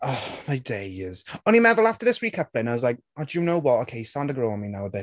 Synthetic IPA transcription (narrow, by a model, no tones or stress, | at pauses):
ɔmaɪdeɪɪz̥onimɛðəlˠaftəðɪsɹikʰəplɪ̃naɪwɒzlaɪk̚ɔdəjənoʊwɒtoʊkʰeɪsãndəɡɹominaʊəbɪt